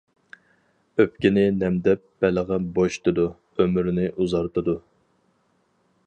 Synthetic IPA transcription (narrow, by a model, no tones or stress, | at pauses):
øpkʲɪnɪnɛmd̪ɛpːɛləʁɑboʃt̪ɨd̪u | ømyɾnɪʔuzɑɾt̪ɨd̪u